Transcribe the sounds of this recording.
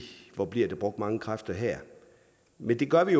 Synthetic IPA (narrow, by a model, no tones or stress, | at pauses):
ʋɒb̥liɐ̰d̥eb̥ʁɔ̽ɡ̥̚d̥mɑ̈ŋəkʰʁafd̥ɐɦɛɐ̰ | mend̥e̝ɡ̥ɶɐʋijo